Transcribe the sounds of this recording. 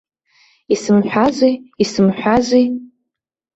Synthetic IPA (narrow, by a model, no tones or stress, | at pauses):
isɨmħʷᶣazʷiisɨmħʷᶣazʷi